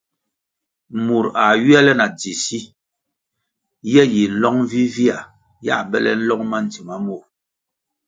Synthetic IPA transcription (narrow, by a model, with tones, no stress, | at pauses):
mu˨ɾa˨ɥi˦ɛ˦lɛ˦na˨d͡zi˨si˦ | jɛ˦ji˨n̩˦lɔ˦ŋ˦vi˦vi˦a˨ | ja̰˦˨bɛ˦lɛ̰˦n̩˦lɔ˦ŋma˦n̩˨ti˨ma˦mu˦˨ɾ